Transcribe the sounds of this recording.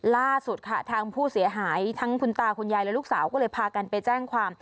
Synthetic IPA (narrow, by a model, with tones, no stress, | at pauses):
laː˥˩su˨˩t̪̚kʰa˦˥˩t̪ʰaː˧ŋpʰuː˥˩si˩˦ɐɦaː˩˦jt̪ʰa˦˥ŋkʰu˧nt̪aː˧˩kʰo˧njaː˧jlɛ˦˥luː˥˩ksaː˩˦wkɔː˥˩ɤː˧jpʰaː˧ka˧npa˧jt͡ɕɛː˥˩ŋkʰwaː˧m